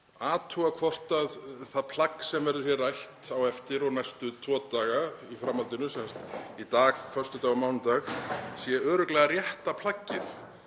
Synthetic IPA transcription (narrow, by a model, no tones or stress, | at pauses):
aːt̪ʰuɣakʰvɔr̥t̪aðθaðpʰlakːsɛmvɛɾðʏɾ̥çjɛɾajht̪awɛft̪ɪɾɔɣnajst̪ʏt̪ʰvɔːt̪aːɣaifɾamːalt̪ɪnʏsɛnst̪it̪aːɣfœr̥st̪ʏt̪aːɣamaːwnt̪axsjɛœːɾʏklɛːɣarjɛht̪apʰl̥acːɪθ